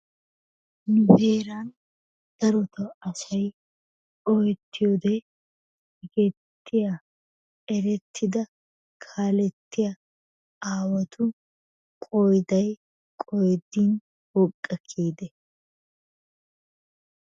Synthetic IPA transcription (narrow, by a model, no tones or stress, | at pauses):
nʊbeːɾaːn | d̪̥ɐɾɔt̪ɐɐsɐj | ɔjɛt̪ʰːɪjod̪ɛ | hɪɡɛt̪ːɪja | ɛɾɛt̪ʰːɪd̪ɐ | kʰaːlɛt̪ːɪjɐ | aːwɐt̪ʰʊ | kʼɔjd̪ɐj | kʼɔjd̪iːn | wɔkʼːɐkʰːiːd̪ɛ